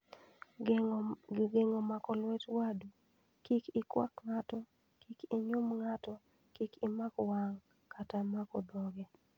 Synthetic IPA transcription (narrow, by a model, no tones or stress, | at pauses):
ɡeŋomakɔlwɛtwadu | kikɪkwa̰kŋatɔ | kikiɲumŋatɔ | kikimakɔwaŋ | katamakɔbɔɡɛ